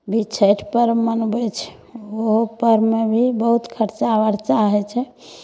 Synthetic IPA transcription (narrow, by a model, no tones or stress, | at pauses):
bʱit͡ʃʰəʈʰpəɾmənbɛt͡ʃʰɛ̥ | oɦopəɾmebʱibəɦut̪kʰəɾt͡ʃaʋəɾt͡ʃaɦɛt͡ʃʰɛ